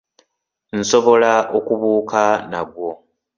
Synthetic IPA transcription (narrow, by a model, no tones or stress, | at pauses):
n̩so̞βo̞laokuβuːkʰanaɡwo̞